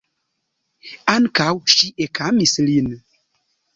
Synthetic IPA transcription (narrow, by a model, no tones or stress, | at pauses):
ankawʃiʔekʰamislin